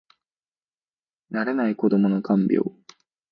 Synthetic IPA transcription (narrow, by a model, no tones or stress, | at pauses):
naɾe̞naiko̞d̪o̞mo̞no̞kʰãmbʲjo̰ː